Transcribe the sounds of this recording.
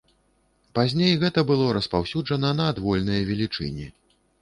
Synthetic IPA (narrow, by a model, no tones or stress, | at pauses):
pazʲnʲejɣɛt̪ɐbɨlˠɔɾɐspawsʲud͡ʐɐnɐnɐːd̪vɔlʲnɐjɐvʲɛlʲit͡ʂɨ̰nʲɛ